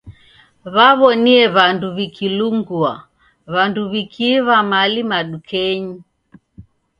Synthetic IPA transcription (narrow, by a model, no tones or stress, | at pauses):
βaβɔniɛβanduβikʰiluŋɡua | βanduβikʰiβamalimaɗukʰɛɲi